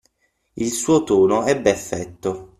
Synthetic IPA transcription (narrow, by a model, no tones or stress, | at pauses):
ilsuːot̪uːnoɛbːɛfːɛt̪ːo